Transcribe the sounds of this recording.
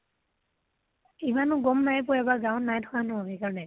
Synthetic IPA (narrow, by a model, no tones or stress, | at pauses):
imanʊɡɔmnajp̬ɔɛbaɡawnːajtʰɔ̥kanɔɦɔbejkaɹɔnɛ